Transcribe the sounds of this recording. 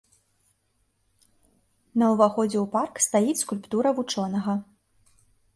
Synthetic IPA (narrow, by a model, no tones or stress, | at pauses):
nɐwvaxɔd͡zʲɛuparkst̪ajit͡sʲskulʲpt̪uɾɐvut͡ʂɔnɐɣɐ